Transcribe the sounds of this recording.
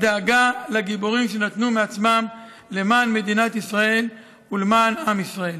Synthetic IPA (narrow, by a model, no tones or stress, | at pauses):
d̪aːɡalaɡiboʁimʃe̞nat̪numeat͡smam | le̞manme̞d̪inat̪isʁae̞l | ulemanamisʁae̞l